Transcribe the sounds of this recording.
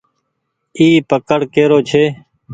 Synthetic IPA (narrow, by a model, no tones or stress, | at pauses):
iːpəkəɽkeːɾoːt͡ʃʰeː